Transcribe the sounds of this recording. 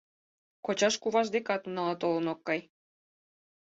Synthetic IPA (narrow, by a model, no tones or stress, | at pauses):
kot͡ɕɑʃkuβɑʒd̪ekɑt̪nɑlɑt̪olə̆nokːɑj